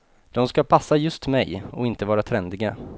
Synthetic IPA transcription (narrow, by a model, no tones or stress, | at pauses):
d̪̥ɔmskapʰasːajɵst̪mɛjɔɪnt̪əvɑːɾat̪ʰɾɛnd̪ɪɡa